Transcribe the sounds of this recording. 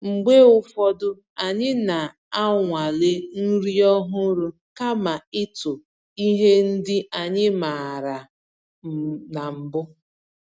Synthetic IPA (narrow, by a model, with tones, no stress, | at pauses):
ŋ͡m̩˨ɡ͡be˦ʊ˦fɔ˦dʊ˦ | a˨ɲɪ˦na˨ | a˦ŋʷa˨le˦n̩˦ɾi˦ɔ˦ɦʊ˦ɾʊ˦ | ka˦ma˨ɪ˦tʊ˨ | i˦ɦe˦n̩˦dɪ˦a˨ɲɪ˦ma˨ɾa˨ | m̩˨na˨m̩˨bʊ˦